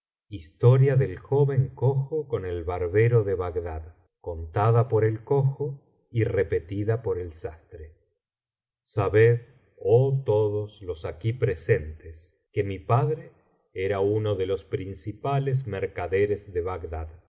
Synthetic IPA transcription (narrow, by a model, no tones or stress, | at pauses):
ist̪o̞ɾjaðe̞lxoβe̞ŋkoxoko̞ne̞lβaɾβeɾo̞ðeβaɣðað | ko̞nt̪aðapo̞ɾelkoxo | irepe̞t̪iðapo̞ɾe̞lsast̪ɾe | saβeð | ot̪oðoslo̞sakipɾese̞nt̪es | kemipaðɾe | eɾauno̞ðe̞lo̞spɾinsipalezmeɾkaðeɾezðeβaɡðað